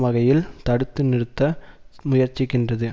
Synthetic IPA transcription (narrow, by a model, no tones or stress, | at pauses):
mɐɣɐjɪlt̪ɐɽɯt̪ːɯnɪɾɯt̪ːɐmʊjɐɾt͡ʃːɪkːɪndrɐðɯ